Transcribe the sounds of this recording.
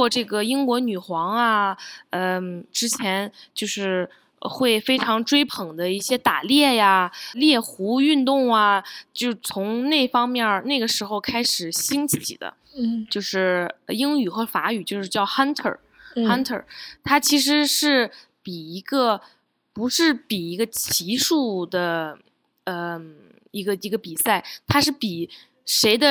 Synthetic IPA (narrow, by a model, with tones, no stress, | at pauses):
ɔ˥˧ʈ͡ʂɤ˥˩ɡə˩i˥ŋkwɔ˧˥ny˨˩xwɑ˧˥ŋɐ˧ə˥˧ʈ͡ʂɻ̩˥t͡ɕʰjɛ˧˥nt͡ɕjo˥˧ʊʂɻ̩˥˧ | xwe˥˩ɪfe˥ɪʈ͡ʂʰɑ˧˥ŋʈ͡ʂwe˥ɪpʰɤ˨˩ŋd̪ə˦i˥˩ɕjɛ˥t̪a̰˨˩ljɛ˥˩ja˩ljɛ˥˩xu˧˥y˥˧nt̪ʊ˥˩ŋɐ˩t͡ɕjo˥˩ʊt͡sʰʊ˧˥ŋne˥˩ɪfɑ˥ŋmjɛ˥˩ne˥˩ɡə˩ʂɻ̩˧˥xo˧ʊkʰa˥ɪʂɻ̩˨˩ɕi˥ŋt͡ɕʰḭ˨˩d̪ə̰˦ | t͡ɕjo˥˧ʊʂɻ̩˥˩˧i˥ŋy˨˩xɤ˧˥fa̰˧˥y˨˩t͡ɕjo˥˧ʂɻ̩˥˧t͡ɕjɑ˥˩ʊxa˥nt̪ʰə̰˞˨˩ | xa˥nt̪ʰə̰˞˨˩t̪ʰa˥t͡ɕʰi˧˥ʂ̬ɻ̩˧˥ʂɻ̩˥˩ | pi˨˩i˧˥ɡə˥˧ | pu˧˥ʂɻ̩˥˩pi˨˩i˧˥ɡə˧t͡ɕʰi˧˥ʂu˥˩d̪ə˩ | ə˧ | i˧˥ɡə˧i˧˥ɡə˧pi˨˩sa˥˩ɪt̪ʰa˥ʂɻ̩˥˩pi˨˩ | ʂe˧˥ɪd̪ə˧